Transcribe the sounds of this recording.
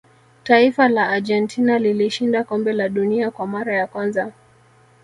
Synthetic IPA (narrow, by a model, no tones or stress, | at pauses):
taifalaːʄɛntʰinaliliʃindakɔmbɛlaɗuniakwamaɾajakwanza